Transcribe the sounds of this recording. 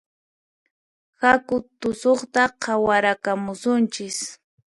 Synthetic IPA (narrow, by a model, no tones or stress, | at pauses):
hakʊt̪ʊsoχt̪aqʰɑwaɾakamʊsʊnt͡ʃɪs